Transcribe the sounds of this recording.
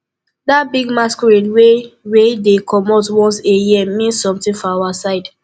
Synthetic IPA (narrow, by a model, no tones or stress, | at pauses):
dabiɡmaskɔɹĩnwewedekʰɔmɔtwɔ̃nseimĩnsːɔ̃mtĩnfɔawasaɪd